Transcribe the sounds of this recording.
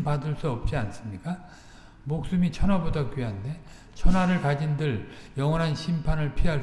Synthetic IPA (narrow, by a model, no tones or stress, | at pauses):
padɯɭs͈uʌp̚t͡ɕ͈ians͈ɯmɲik͈a | mok̚s͈umit͡ɕʰʌnɦwabodakɥiɦande̞ | t͡ɕʰʌnwaɾɯɭkad͡ʑindɯɭjʌŋwʌnɦanɕʰimpʰanɯɭpʰiɦa